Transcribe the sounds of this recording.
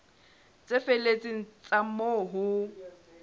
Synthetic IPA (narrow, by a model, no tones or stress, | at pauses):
t͡sʼefelet͡sʼiŋ̩t͡sʼamoɦʊ